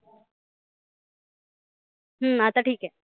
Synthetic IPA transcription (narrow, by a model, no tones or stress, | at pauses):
ɦə̃at̪aʈʰiːkɦɛː